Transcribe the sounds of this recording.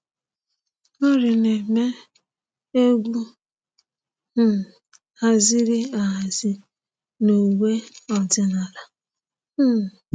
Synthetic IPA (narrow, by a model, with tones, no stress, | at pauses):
o˦ɾɪ˨ne˨me˦ | e˦ɡʷu˦˨ | a˦zɪ˦ɾɪ˦a˨ɦa˨zɪ˦ | no˨we˦ɔ˨dɪ˦na˨la˨˦